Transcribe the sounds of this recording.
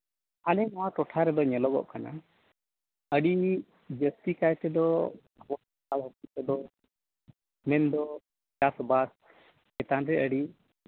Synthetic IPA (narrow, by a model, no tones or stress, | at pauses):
alɛnɔwaʈɔʈʰaɾɛd̪ɔɲɛlɔɡɔ̰ʔkana̰ | əɖini | d͡ʒəst̪ikajt̪ɛd̪ɔ | bɔ | alɦɔkit̪ɛd̪ɔ | mɛnd̪ɔ | d͡ʒasbas | ɛt̪anɾɛʔəɖi